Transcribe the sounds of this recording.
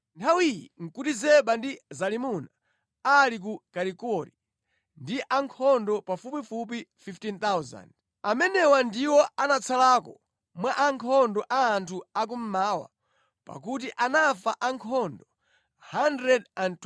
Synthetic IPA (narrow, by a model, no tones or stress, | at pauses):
ntʰawijḭŋ̩kutizɛɓandizalimuna | alik̬ukaɾikɔɾi | ndiʔaŋkʰɔndɔpafupifup̬ififtint̪awza̰nd | amɛnɛwandiwɔanat͡sʰalakɔ | mwaʔaŋkʰɔndɔʔaːntʰuak̬um̩maːwa̰ | pa̰kut̬iʔanafaʔaŋkʰɔndɔ | handɾɛdant